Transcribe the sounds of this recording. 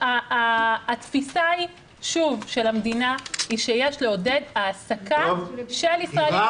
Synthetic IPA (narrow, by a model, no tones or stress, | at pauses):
aː | t̪fisai | ʃuvʃe̞lamd̪inaiʃejeʃleo̞dedaːsakaʃelisʁae